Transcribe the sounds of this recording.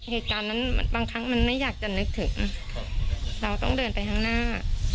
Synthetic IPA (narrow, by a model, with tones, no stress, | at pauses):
heː˨˩t̪̚kaː˧nːa˦˥nm̰˧nbaː˧ŋkʰɾa˦˥ŋma˧nma˥˩jːaː˨˩k̚t͡ɕa˨˩nɯ˦˥k̚t̪ʰɯ˩˦ŋ | ɾa˧wt̪ɔ̰˥˩ŋdɤː˧npa˧jt̪ʰa˦˥ŋnaː˥˩